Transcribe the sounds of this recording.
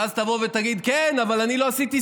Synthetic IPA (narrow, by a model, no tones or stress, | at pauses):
azt̪avo̞vet̪aɡid̪kenavalanilo̞asit̪i